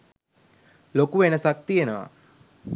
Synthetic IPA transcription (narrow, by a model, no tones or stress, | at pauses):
lokuʋenəsak̚t̪ienəʋa̰